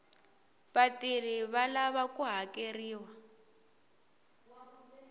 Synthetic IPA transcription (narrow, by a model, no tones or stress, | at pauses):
βatir̤iβalaβakuɦakeriːwa